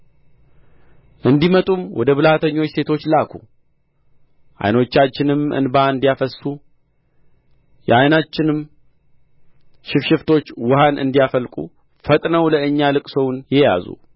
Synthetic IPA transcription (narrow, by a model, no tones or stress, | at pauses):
ʔɨnd̪imət̪ʼumwɔ̰d̪əβɨlat̪ʰəɲːo̞t͡ʃːse̞t̪ʰo̞t͡ʃːlakʰṵ | ʔa̰jno̞t͡ʃːat͡ʃːɪnɨmɨ̰nbaɨnd̪ijafəsu | jɛajnat͡ʃːɪnɨm | ʃɪfʃɪft̪ʰo̞t͡ʃːwʊhanʔɨ̰nd̪ijafəlkʼṵ | fət̪ʼnəwləɨɲːalɨkʼsəwnjɛja̰zṵ